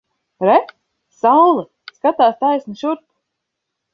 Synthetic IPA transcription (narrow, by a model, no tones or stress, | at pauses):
ɾɛ | sawlˠɨ | skat̪aːst̪ajsnɨʃuɾt̪